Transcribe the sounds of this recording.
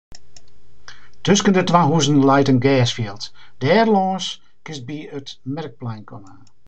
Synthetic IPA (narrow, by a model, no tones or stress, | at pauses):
tøskəndətʋaɦuznlɛjtənɡɛːsfjiəlˠtd̥ɛːrlɔ̃ːs | kɪs̚biətmɛrk̚plɛjnkʰɔnaː